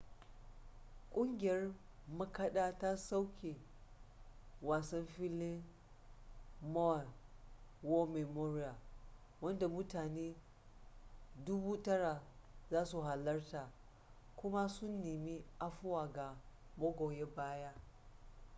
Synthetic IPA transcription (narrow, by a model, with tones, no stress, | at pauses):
kʷʼʊ˦ŋɡʲɪ˨jɐ˦r | mɐ˦kɐ˦ɗaː˦ta˦sa˦wkʲʰe˨ | waː˨sɐ˦mɸɪ˦lɪ˦ | mo˦a˨n | wo˦me˨moː˦ɾɪ˦ja˨ | wɐ˦nda˨mʊ˦taː˨neː˦ | dʊ˦buː˦tɐ˦ɽa˨zaː˦su˨ɦa˨lɐ˦rta˨ | kʷʊ˦ma˦sʊ˦nːeː˨mi˦ʔa˦ɸʊ˦waː˨ɡa˨ | mɐ˦ɡʷoː˨je˦baː˦ja˦